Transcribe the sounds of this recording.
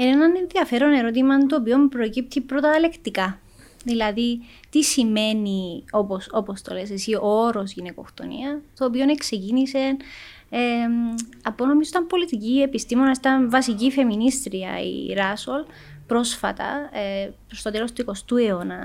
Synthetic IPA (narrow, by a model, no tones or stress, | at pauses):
enenɐne̞nðiɐfe̞ɾo̞ne̞ɾo̞t̪̬imɐnt̪oːpio̞mupɾocip̚t̪ipɾo̞t̪ɐle̞kt̪ikɐ | ðilɐði | t̪isime̞nio̞posopo̞st̪oles̬esiʔooɾo̞sʝineko̞̰xt̪o̞̰nḭɐt̪oːpione̞kse̞cinise̞n | e | ɐpo̞no̞mizot̪ɐmpo̞lit̪iciepist̪imo̞nɐsit̪ɐnvɐsicife̞minist̪ɾiɐ̰ḭɾɐso̞l | pɾo̞sfɐt̪ɐ̰epɾost̪o̞t̪elo̞st̪uiko̞st̪ueo̞nɐ